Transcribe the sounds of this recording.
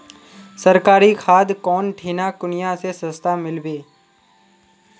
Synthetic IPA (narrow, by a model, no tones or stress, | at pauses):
səɾkaːɾikʰaːd̪kɔːnʈʰiːnakʊnɪjãsesə̃st̪amɪlbeː